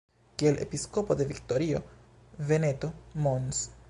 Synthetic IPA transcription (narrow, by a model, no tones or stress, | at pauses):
kielʔe̞pisko̞po̞de̞vikto̞ɾio̞ | ve̞ne̞to̞mons